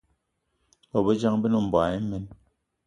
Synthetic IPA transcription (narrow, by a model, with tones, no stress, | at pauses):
bɔ˨be˦d͡ʒa˦ŋbe˦nɔ˦˨m̩˨bwa˨e˦mɛ˦n